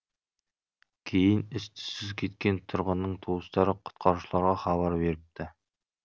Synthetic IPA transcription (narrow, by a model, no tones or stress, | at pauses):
kʲʰejɪnɪst̪ʰɪ̥sɪzkʲʰe̞t̪̚kʲent̪ʰʊɾʁʊnːəɴt̪ʰust̪ɑɾəqʰʊ̥t̪qʰɑɾuʃlˠɑɾʁɑχɑβɑɾbe̞ɾɪp̚t̪ʰɪ